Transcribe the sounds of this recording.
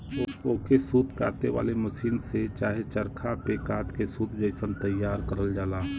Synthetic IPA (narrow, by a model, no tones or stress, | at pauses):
ooːkesud̪kaːt̪eʋa̰ːlemɐʃiːnset͡ʃaːɦet͡ʃəɾkʰapekaːt̪kesuːd̪̚ʱd͡ʒəɪsənt̪əjːaːɾkəɾəld͡ʒaːlaː